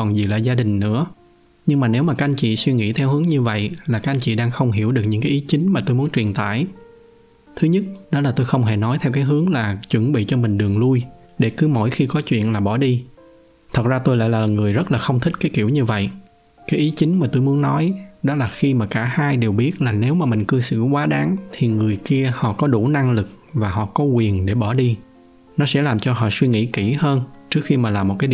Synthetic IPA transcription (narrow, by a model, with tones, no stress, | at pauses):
ɔ˨˩nzi˨˩laː˨˩zaː˧ɗï˨˩ŋ̟nɨ̰˧˥ə | ɲɨ˧ŋmaː˨˩ne˨˦wmaː˨˩kaː˦˥ʔnt͡ɕḭ˧˨swi˧ŋḭ˧˥t̪ʰɛ˧whɨ˨˦əŋɲɨ˧və̰˧˨jlaː˨˩kaː˦˥ʔa˧n̟t͡ɕḭ˧˨ɗaː˧ŋxə˧wŋ͡mɦi˧˩wɗɨ˨˩k̚ɲɨ̰˧˥ŋkaː˨˦jʔi˨˦t͡ɕï˨˦ŋ̟maː˨˩t̪o˧jmu˨˦ənt͡ɕwḭ˨˩ənt̪a̰ː˧˨j | t̪ʰɨ˨˦ɲə˦˥t̚ɗɔ˨˦laː˨˩t̪o˧jxə˧wŋ͡mɦe˧˩nɔ˨˦jt̪ʰɛ˧wkaː˨˦jɦɨ˨˦əŋlaː˨˩t͡ɕwə˧˩nɓḭ˧˨t͡ɕɔ˧mï˨˩ŋ̟ɗɨ˨˩əŋlu˧j | ɗe˧˩kɨ˨˦mo̰˧˨jxi˧kɔ˨˦t͡ɕwḭ˧˨ənlaː˨˩ɓɔ˧˩ɗi˧ | t̪ʰə˨˩t̚zaː˧t̪o˧jla̰ː˧˨jlaː˨˩ŋɨ˨˩əjzə˦˥t̚laː˨˩xə˧wŋ͡mt̪ʰï˦˥t̚kaː˨˦jki˧˩əwɲɨ˧və̰˧˨j | kaː˨˦jʔi˨˦t͡ɕï˨˦ŋ̟maː˨˩t̪o˧jmu˨˦ənnɔ˨˦jɗɔ˨˦laː˨˩xi˧maː˨˩kaː˧˩haː˧jɗe˨˩wɓi˦˥ət̚laː˨˩ne˨˦wmaː˨˩mï˨˩ŋ̟kɨ˧sɨ̰˧˨kwaː˨˦ɗaː˨˦ŋt̪ʰi˨˩ŋɨ˨˩əjki˧əhɔ̰˧˨kɔ˨˦ɗṵ˧˩na˧ŋlɨ˨˩k̚ | vaː˨˩ɦɔ̰˧˨kɔ˨˦kwi˨˩ənɗe˧˩ɓɔ˧˩ɗi˧ | nɔ˨˦sɛ̰˧˥laː˨˩mt͡ɕɔ˧ɦɔ̰˧˨swi˧ŋḭ˧˥ki˧˩həː˧nt͡ɕɨ˦˥ək̚xi˧maː˨˩laː˨˩mo˨˩t̚kaː˨˦